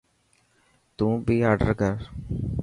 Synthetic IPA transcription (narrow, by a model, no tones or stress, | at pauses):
t̪ũːbʱiːaːɾɖə̰ɾkəɾ